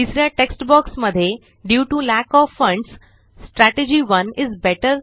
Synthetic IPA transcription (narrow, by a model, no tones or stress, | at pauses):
isɾjaʈeksʈbɔksməd̪ʱːje | ɖjuːʈulækɔːfːə̃ɳɖsː | ʈɾæʈed͡ʑiʋə̃nɪzbɛʈəɾ